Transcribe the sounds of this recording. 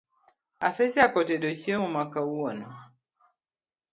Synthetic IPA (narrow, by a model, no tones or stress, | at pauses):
ased͡ʒakɔtedot͡ʃiemumakawuwanu